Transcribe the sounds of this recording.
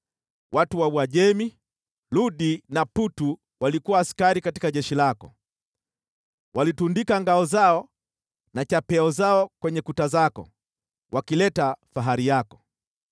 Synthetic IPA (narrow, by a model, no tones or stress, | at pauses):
wʔatuwawaʄɛmi | luɗinaputu | walikuwaːskaɾikati̥kaʄɛʃilakɔ | walitundikaŋɡaɔzaɔ | nat͡ʃapɛɔzaɔkwɛɲɛkutazakɔ̰ | wʔakilɛtafaɦaɾijakɔ̥